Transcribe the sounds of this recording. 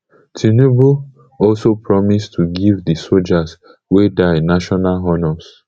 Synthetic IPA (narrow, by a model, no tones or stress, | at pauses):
tʰinubu | ɔlsopʰɹɔmistʰuɡivdisold͡ʒas | wedaɪnaʃɔnalɦɔnɔs